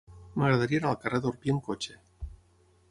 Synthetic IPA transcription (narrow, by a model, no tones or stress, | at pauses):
maɣɾaðaɾienalˠkareðoɾpjieŋkot͡ʃe